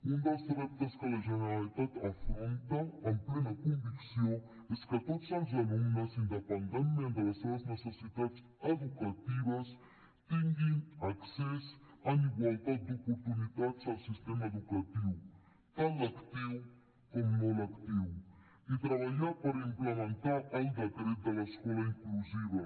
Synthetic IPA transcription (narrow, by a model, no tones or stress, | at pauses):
und̪aseɾap̚t̪askalaʒeneɾalit̪at̪afɾõnt̪ɐɐ̃mplenɐkõɱviksjõ | eskat̪ot̪sãzaluminɐsĩnd̪epand̪ẽnt̪mẽnd̪awasenɐsnesesit̪ad̪s | ed̪ukat̪ivɐs | t̪iŋɡiaksɛsɐniɡwalt̪ad̪̚d̪opoɾt̪unit̪ad̪zawsist̪emɐeðukat̪iw | t̪ãd̪ɐkt̪iw | komunõlakt̪iw | it̪ɾɐβaʎaɾpɐɾɐĩmplemẽnt̪aɾaĩnd̪ɐkɾed̪ɐlɐskɔlɐĩŋkluzivɐ